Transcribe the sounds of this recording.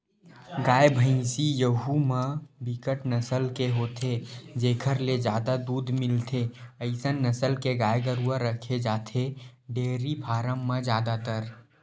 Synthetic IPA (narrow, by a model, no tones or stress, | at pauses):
ɡaːjbʱə̃ɪ̃sijəɦumẽbɪkəʈnəsəlkeɦoːt̪ʰed͡ʒeːkʰəɾled͡ʒjaːd̪ad̪uːd̪mɪlt̪ʰeəɪsənːəsəlkeɡaːjɡəɾuaɾəkʰed͡ʒaːt̪ʰeɖeːɾipʰaːɾəmːed͡ʒjaːd̪at̪əɾ